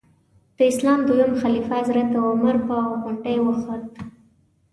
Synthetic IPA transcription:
d̪̥əɪslɑmd̪ujamxalifaazɾat̪awaməɾpaaapaɳʈajwəxo

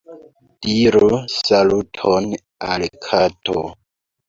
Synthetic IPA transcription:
d̥iɾusalutʰon | a̰lkʰatʰo̰

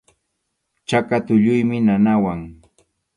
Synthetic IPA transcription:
t͡ʃakat̪ʊʎʊjmɪnanawaŋ

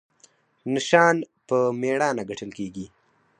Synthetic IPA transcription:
nɪʃɑːnpəmeɽɑːnaɡaʈʰəlkeɡi

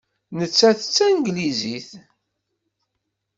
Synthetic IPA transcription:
nət͡sːæθət͡sːænɡliziθ

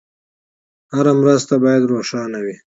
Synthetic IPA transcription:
haɾamɾast̪abɑjad̪ɾoʂɑnawi

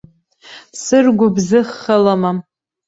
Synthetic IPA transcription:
sɨrɡʷʊbzɨχːalama

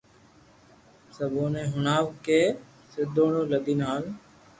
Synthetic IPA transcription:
səboːnẽːɦʊnaːʋkeː | sɪd̪õːɽoːləd̪iːnaːl

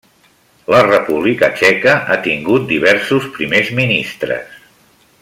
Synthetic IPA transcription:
lərəpuβ̞likət͡ʃɛkəʔat̪iŋɡut̪̚d̪iβɛɾsuspɾimezminist̪ɾə̰s

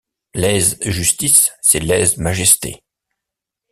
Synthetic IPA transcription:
lɛzʒyst̪isːɛlɛzmaʒɛst̪ḛ

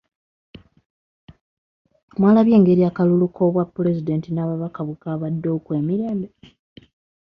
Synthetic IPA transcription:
mwaːlaβje̞ːŋɡe̞ɾiakalulukʰo̞βwapːule̞zide̞ntinaːβaβakaβukaβadːo̞ːkwe̞ːmiɾe̞ːmbe

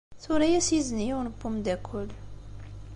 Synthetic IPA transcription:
θʊɾæjæsjizənijuwnəbːumd̪ækʷʰːʊl

